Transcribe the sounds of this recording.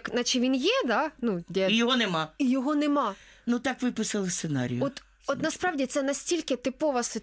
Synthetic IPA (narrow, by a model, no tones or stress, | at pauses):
knɐt͡ʃɪʋʲinjɛd̪ɑnudʲɛijɔɦɔnemɑijɔɦɔnemɑnut̪ɑkʋɪpɪsɐlˠɪst̪senɑ̰ɾʲijʊɔt̪ | ɔt̪nɐspɾɑʋdʲit̪sɛnɐsʲtʲilʲkɪt̪ɪpɔʋɐs